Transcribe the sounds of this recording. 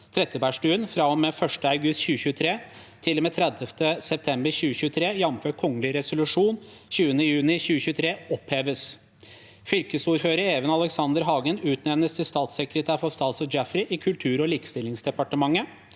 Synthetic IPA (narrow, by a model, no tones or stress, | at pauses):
t̪ʰɾɛt̪ːəbæːʂʈʉːənfɾɑɔmefœʂʈəɑʉɡʉst̪çʉːəçʉːət̪ʰɾeː | t̪ʰɪlːɔmeːt̪ʰɾɛd̪əft̪ʰəsɛp̚t̪ʰɛmbəɾçʉːəçʉːət̪ʰɾeːjɑmføːʈ̚kʰɔŋːəlɪɾɛsʊlʉʂuːn | çʉːənəjʉːnɪçʉːəçʉːət̪ʰɾeːɔpheːʋəs | fʏlkəsuːɾføːɾəɾeːʋənɑləksɑnd̪əɾɦɑːɡənʉːt̪nɛmnəst̪ʰəst̪ɑːt̪sɛkɾət̪ʰæːɾfɔst̪ɑːt̪sɔd͡ʒæfɾɪʔɪkʰʉlt̪ʰʉːɾɔliːkə̥st̪ɪlɪŋsd̪ɛpɑʈəmɑŋːə